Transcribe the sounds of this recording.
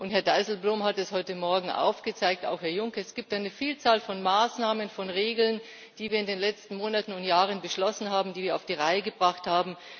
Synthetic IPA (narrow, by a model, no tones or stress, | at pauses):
ʔʊnthɛɐdaɪzl̩bloːmhatɛshɔʏtəmɔɐɡŋ̩ʔa̰ʊfɡ̥ət͡saɪk̚ta̰ʊxhɛɐjʊŋkəɛsɡ̥iːp̚td̥aːnəfiːlt͡saːlfɔnmaːsnaːmənfɔnʁeːɡl̩n | d̥iːviːɐɪndeːnlɛt͡stn̩moːnatn̩ʊntjaːʁənbəʃlɔsn̩ɦaːbm̩diːviːɐaʊfd̥iːʁaɪəɡəbʁaχthaːbm̩